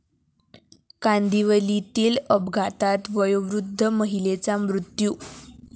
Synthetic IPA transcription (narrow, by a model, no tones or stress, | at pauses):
kand̪iʋəlit̪iːləbɡʱat̪at̪ʋəjoʋɾud̪ʱːəməɦilet͡samɾut̪juː